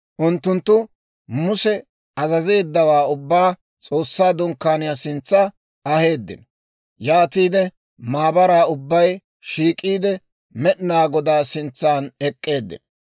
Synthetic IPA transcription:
ʔʊnt̪ːʊnt̪ːʊ | mʊsɛ | ɐzɐze̞ːd̪ːɐwaːʊbːaː | t͡sʼo̞ːsːaːd̪ʊŋkːaːnɪjasɪnt͡sːɐ | ɐhe̞ːd̪ːɪ̰n | jaːt̪iːd̪ɛ | maːbɐɾaːʊbːɐj | ʃiːkʼiːd̪ɛ | mɛʔnaːɡɔd̪aːsɪnt͡sːaːnɛkʼːe̞ːd̪ːɪ̰n

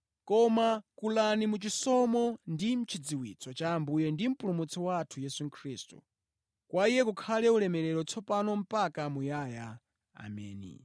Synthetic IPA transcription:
kɔmakulanimut͡ʃisɔmɔndim̩t͡ʃʰid͡ziwit͡sʰɔt͡ʃaːmbujɛndim̩pulumut͡sʰɔwaːtʰujɛsuŋkʰɾiːstṵ | kwaijɛkukʰalɛulɛmɛɾɛɾɔt͡sʰɔpanɔm̩pakamujaja | a̰mɛ̰ːnḭ

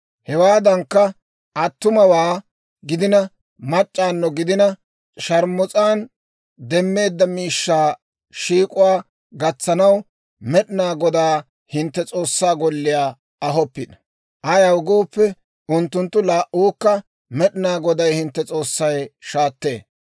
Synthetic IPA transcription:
hɛwaːd̪ɐŋkːɐ | ʔɐt̪ːʊmɐwaː | ɡɪd̪ɪnɐ | mɐt͡ʃʼːaːnːɔɡɪd̪ɪnɐ | ʃɐɾmʊt͡sʼaːn | d̪ɛmːe̞ːd̪ːɐmiːʃːaː | ʃiːkʼʊwaː | ɡɐt͡sːɐnɐw | mɛɗɪnaːɡɔd̪aː | hɪnt̪ːɛt͡sʼo̞ːsːaːɡɔlːɪjaː | ɐɦɔpːɪd̪ɐ | ʔɐjɐwɡoːpːɛ | ʊnt̪ːʊnt̪ːʊlaːʔuːkːɐ | mɛɗɪnaːɡɔd̪ɐjhɪnt̪ːɛt͡sʼo̞ːsːɐjʃaːt̪ːe̞̰ː

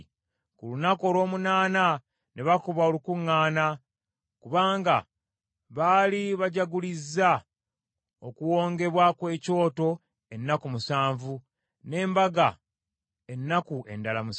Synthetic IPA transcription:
kulunakoːlo̞ːmunaːna | nʔeβakoβaolukuŋːaːna | kuβaːŋɡa̰ | βaliβaɟaɡulizːa | okuwo̞ːŋɡe̞βwakwe̞ːco̞ːto̞ | e̞nːakumusaːɱvu | ne̞ːmbaɡa | e̞nːakue̞̰ndalamus

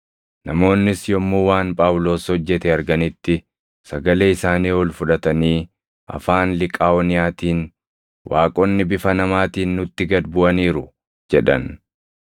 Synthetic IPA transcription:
nɐmo̞ːnːɪsjɔmːuːwaːnpʼaːwlo̞ːshɔd͡ʒːɛt̪ɛɐɾɡɐnɪt̪ːɪ | sɐɡɐleːɪsaːniːɔlfʊᶑɐt̪ɐniː | ʔɐ̰faːnlɪkʼaːɔnɪjaːt̪iːn | wʔaːkʼɔnːɪbɪfɐnɐmaːt̪iːnːʊt̪ːɪɡɐd̪bʊʔɐniːɾʊ | d͡ʒɛᶑɐ̰n

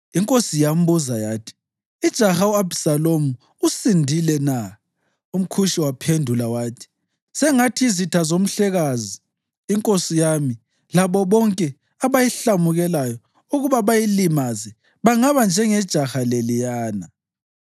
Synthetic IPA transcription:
iŋkʼosijam̩buzajaːtʰi̥ | id̥ʒ̥ʱaxauabsalomu | usindʱilɛna | um̩kʰuʃiwapʰendʱulawaːtʰi̥ | sɛŋatʰiizitʰazom̩ɬɛɣaziː | ŋkʼosijami | laβɔβɔŋkʼɛ | aβajiɬamuɣɛlajɔ | uɣuβaβajilimazɛ | βaŋaβand͡ʒʱɛŋɛd̥ʒ̥ʱaxalelijaːna

